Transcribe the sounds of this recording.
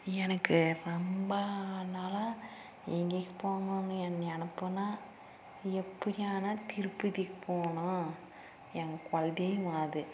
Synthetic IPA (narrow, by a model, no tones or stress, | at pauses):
ɛnɐkːɯɾɔmbanaːla | ɛŋɡekːɯpoːŋɡaːnɐɛnːɛnɐpːɯnaː | ɛpːɐɽɪaːnɐt̪ɪɾɯpːɯðikpoːɳʊ̃ | ɛnɡɐkɐlðeːjʋaːðɯ